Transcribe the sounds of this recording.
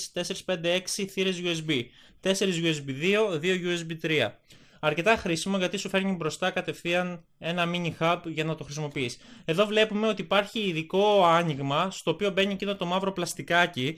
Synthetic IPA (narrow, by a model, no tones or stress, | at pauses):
st̪e̞se̞ɾispe̞nd̪e̞e̞ksiθiɾezʝuesbi | t̪e̞se̞ɾizʝuezbiðio̞ðio̞ʝuesbit̪ɾiɐ̰ | ɐɾce̞t̪ɐxɾisimo̞ʝɐt̪isufe̞ɾɲibɾo̞st̪ɐkɐt̪e̞fθiɐn | e̞nɐmiɲixɐbʝɐnɐt̪o̞xɾisimo̞piise̞ðo̞vle̞pume̞o̞t̪iːpɐɾçiːðiko̞ɐɲiɣmɐst̪o̞ːpio̞be̞ɲiecinot̪omɐvɾo̞plɐst̪ikɐci